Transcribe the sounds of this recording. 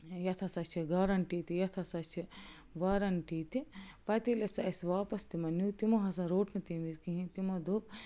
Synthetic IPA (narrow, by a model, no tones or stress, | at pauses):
jɐt̪ʰɐsɐt͡ʃʰiɡaːɾɐnʈiːt̪ijɐt̪ʰɐsɐt͡ʃʰi | ʋaːɾɐɳʈiːt̪ipɐt̪ilɐsɐʔɐsʋaːpɐst̪imɐnuːt̪imɐɦɐsɐ̃ɾoːʈnɐt̪imiskiɦĩt̪imɐd̪oːb